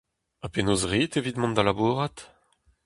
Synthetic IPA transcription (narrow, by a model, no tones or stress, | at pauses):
apenoːzʁiːt̪evit̪mɑ̃nd̪alabuːʁat̪